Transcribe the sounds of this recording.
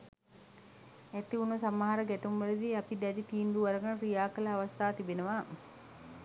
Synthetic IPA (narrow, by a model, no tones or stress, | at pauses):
æt̪iunːusamːaɦaɾəɡæʈumʋɐlid̪iapid̪ɛɖit̪iːnd̪uʋɐɾəɡənɾijaːkələaʋast̪aːt̪ibenəʋaː